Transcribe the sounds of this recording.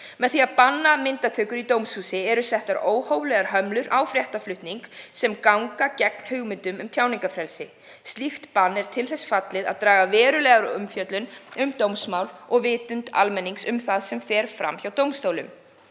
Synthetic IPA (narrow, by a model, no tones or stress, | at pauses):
mɛðθiaðpanːamɪnt̪at̪ʰœːkʏɾit̪owmshuːsɪɛɾʏsɛht̪aɾoːwhoːwlɛɣaɾɦœmlʏɾʔawfɾjɛht̪aflʏht̪niŋksɛmkawŋkacɛk̚n̥hʏɣmɪnt̪ʏmʏmt̪ʰjaːwniŋkafɾɛlsɪ | st̪lixt̪panːɛɾ̥t̪ʰɪlθɛsfat̪lɪða̰ðt̪ɾaːɣavɛːɾʏlɛɣaɾʏ̰mfjœt̪lʏnʏmt̪owmsmawlɔɣvɪːt̪ʏnt̪a̰lmɛnːiŋksʏmθaðsɛmfɛːɾfɾa̰mçawt̪owmst̪oːwlʏ̰m